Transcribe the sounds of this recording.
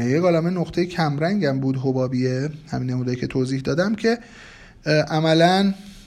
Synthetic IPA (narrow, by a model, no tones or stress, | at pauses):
jeɡɒːlɒːmenoxt̪ʰejecʰæmɾæŋɟæmbuːd̪ɦobɒːbijehæ̰minːemuːd̪ɒːikʲʰe̞t̪ʰoːziːhd̪ɒːd̪æmcʰe̞ | ʔæmælæn